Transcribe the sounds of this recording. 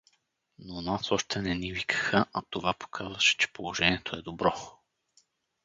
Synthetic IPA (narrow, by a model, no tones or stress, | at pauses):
nonasɔʃt̪ʰɛnɛnivikʰə̥xəʔɐt̪ovapo̥kʰazvəʃɛ̥t͡ʃɛ̥polˠoʒɛnʲiɛt̪ʰoɛd̪obɾɔ